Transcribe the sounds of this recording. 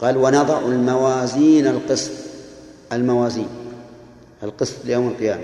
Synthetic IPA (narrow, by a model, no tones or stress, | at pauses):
qɑːlwanɑd̪ˤɑʕalmawaːziːnalqɨsˤt̪ | almawaːziːn | alqɨsˤt̪ˤlɪjoːmalqɨjaːma